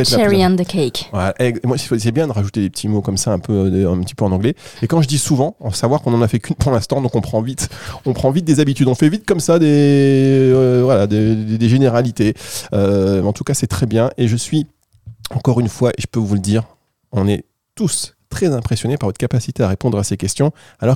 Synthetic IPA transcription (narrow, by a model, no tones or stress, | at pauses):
ɛt̪ɛɹiə̃nd̪əkʰɛjkwɛʔɛmwafosɛbjɛ̃d̪əʁaʒut̪ed̪epə̥t̪ʰimokɔmsaɛ̃pøøɛ̃pət̪ipøɑ̃nɑ̃ɡlɛekɑ̃ʒəd̪isuvɑ̃ɑ̃savwaʁkɔ̃nɑ̃nafɛkynpuʁlɛ̃st̪ɑ̃d̪ɔ̃kɔ̃pχɑ̃vit̪ɔ̃pχɑ̃vit̪̚d̪ezabit̪yd̪ɔ̃fɛvit̪̚kɔmsad̪e | vwalad̪ed̪ed̪eʒeneʁalit̪eøɑ̃t̪ukasɛt̪χɛbjɛ̃ʔeʒəsɥi | ɑ̃kɔʁynfwaʔḛʒəpøvuləd̪iʁ | ɔ̃nɛ | t̪ust̪χɛzɛ̃pχesjɔnepaʁvɔt̪χəkapasi̥t̪eaʁepɔ̃d̪ʁasekʲɛst̪jɔ̃ | alɔ